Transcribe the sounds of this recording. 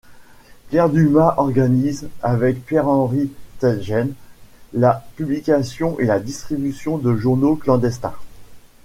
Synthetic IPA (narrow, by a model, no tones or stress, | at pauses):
pjɛʁd̪ymaʔɔʁɡanizavɛkpjɛʁɑ̃ʁit̪ɛʒɛnlapyblikʲasjɔ̃ʔelad̪ist̪χibysjɔ̃d̪əʒuʁnoklɑ̃d̪ɛst̪ɛ̰̃